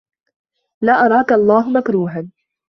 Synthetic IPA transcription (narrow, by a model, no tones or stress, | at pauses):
laːʔɑɾˤɑːkaʔɑlˤːɑːɦʊmakɾuːɦan